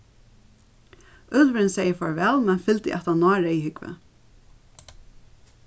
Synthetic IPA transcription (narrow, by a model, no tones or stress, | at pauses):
ʏlvəɾɪnsɛjəfɔɹʋɛːlmɛnfɪlt̪ɪ̰ʔɛt̪hanːɑːɹaihʏkvə̰